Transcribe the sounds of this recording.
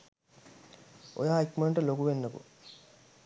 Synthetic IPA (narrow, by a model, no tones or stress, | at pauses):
o̰jaːikməɳʈəlokuʋenːəkṵ